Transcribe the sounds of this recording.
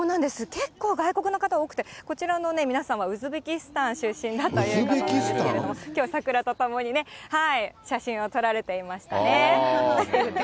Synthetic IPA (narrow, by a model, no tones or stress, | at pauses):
oːnãnd̪e̞sɨke̞kːo̞ːɡaiko̞kɯ̟nokat̪ao̞ːkɯ̟̥t̪eko̞t͡ɕiɾano̞ne̞mʲinasãɰ̃βaɯ̟zɨbe̞kʲisɨ̥t̪ãɰ̃ɕɨɕĩnd̪at̪ːajɯːbekʲiseekeɾed̪omokʲo̞ːsakɯ̟ɾat̪ot̪omo̞ɲ̟ine̞haiɕaɕĩɰ̃o̞t̪o̞ɾaɾe̞t̪e̞imaɕi̥t̪a̰ne